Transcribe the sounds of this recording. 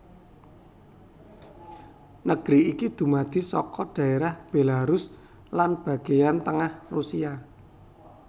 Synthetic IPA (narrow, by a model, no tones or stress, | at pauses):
nəɡ̥ɾiikid̪̥ṳmad̪̥i̤sɔ̰kɔd̥ä̤eɾahb̥e̤laɾʊs | lanb̥ä̤ɡ̥ejant̪əŋahrusia